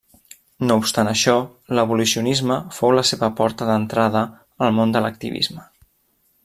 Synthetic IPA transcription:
noupst̪anəʃɔləβ̞ulusiunizməfowləseβəpɔɾt̪əðənt̪ɾaðə | əlˠmond̪ələk̚t̪ḭβḭzmə

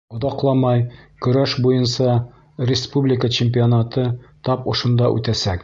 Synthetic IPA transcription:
ŏðɑqlˠɑmɑjkɵ̆ɾæʃbujɤnsɑ | rʲɪspublʲɪkət͡ɕɪmʲp̬ʲionat̪ɤt̪ɒpŏʃŏnd̪ɑʔʉ̰t̪æsæk

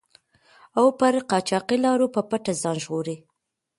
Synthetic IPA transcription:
awpəɾqɑt͡ʃɑqilɑɾopəpaʈazɑnʒɣoɾi

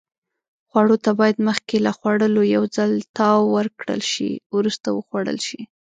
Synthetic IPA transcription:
xwaɽot̪abɑjad̪məxkelaxwaɽəlojawd͡zalt̪ɑwːəɾkɽə̰lʃḭwɾust̪awəxwaɽə̰lʃi

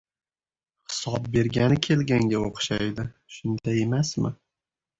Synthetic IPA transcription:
χɪ̥sɒb̚be̞ɾɡʲanɪkʲʰe̞lɡʲaŋɡʲaoqʃajd̪ɪ | ʃʊnd̪ae̞masmɪ̰

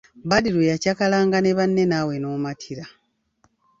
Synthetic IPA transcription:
badiɾojacakalaːŋɡane̞βanːe̞naːwe̞noːmatʰiɾa

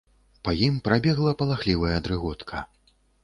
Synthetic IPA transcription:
pɐjimpɾabʲɛɣlˠɐpɐlˠaxlʲivɐjɐːd̪ɾɨɣɔt̪kʰɐ̰

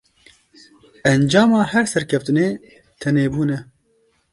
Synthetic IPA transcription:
ʔɛnd͡ʒɑːmɑːhɛɾsɛɾkʰɛft̪ɨneː | t̪ʰɛneːbuːnɛ

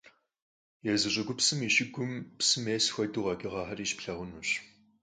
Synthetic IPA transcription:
jɛzɨɕʼɪɡʷʊpsɨmiʃɪɡʷʊmpsɨmeːsxʷɐduʁɐɡʲʼɪʁɑːħɐriːʃpɬɐʁʷʊnuːɕ

